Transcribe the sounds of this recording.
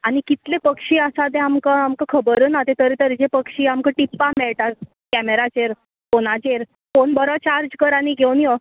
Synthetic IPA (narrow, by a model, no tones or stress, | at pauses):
aɽ̃ikit̪lepəkʂiːəsad̪ẽamkəamkəkʰəbəɾəːnat̪et̪əɾit̪əɾd͡ʑepəkʂiːamkə̃ʈipːameɭʈaɾ | kæmeɾat͡ɕeɾ | ponat͡ɕeɾ | fonbəɾɔt͡ɕaɾd͡ʑkəɾañiɡʱewnjə